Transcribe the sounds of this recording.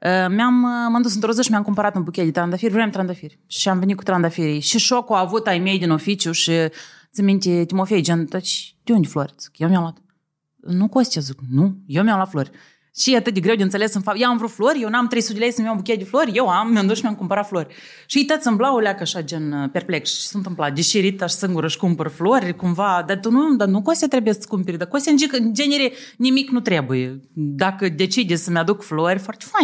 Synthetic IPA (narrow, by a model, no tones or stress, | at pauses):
əmeamːɨnd̪us̬ɨnt̪ɾozəʃimʲamkumpaɾat̪ɨnbukʲed̪ʲet̪ɾand̪afeɾʲvɾenʲamt̪ɾand̪afeɾʲ | ʃiamvʲenit̪ku̥t̪ɾand̪afeɾʲejʃiʃokaavut̪ajmʲejd̪ʲinofit͡ʃjuʃi | t͡sɨmʲint̪ʲet̪ʲimofejd͡ʒent̪at͡ʃd̪̥ʲund̪ʲefloɾʲt͡sɨ̥kjewmʲamlat̪ | nukost̪ʲazɨknujewmʲjamlat̪floɾʲ | ʃijeat̪ɨt̪̚d̪ʲeɡɾe̞wd̪eɨnt̪selesɨnfajaamvɾut̪floɾʲjewnamt̪ɾejsut̪d̪ʲelejsənumʲjabukʲejad̪ʲefloɾʲjewamːʲeɨnd̪oʃmeamkumpəɾat̪floɾʲ | ʃiijt̪at̪sʲɨnblaulʲakəaʃad͡ʒenpʲe̞rpleksʃi̥sunt̪ɨmplat̪̚d̪ʲeʃiɾit̪aʃsɨŋɡuɾəʃkumpəɾflorʲkumvad̪at̪unud̪anukost̪ʲat̪ɾe̞bujesəskumpeɾʲd̪akost̪ʲaɨnd͡ʒikɨnd͡ʒe̞nʲeɾʲenʲimiknut̪ɾe̞bujed̪akəd̪e̞t͡ʃid̪ʲessəmʲead̪ukfloɾʲfoart̪ʲe̥fa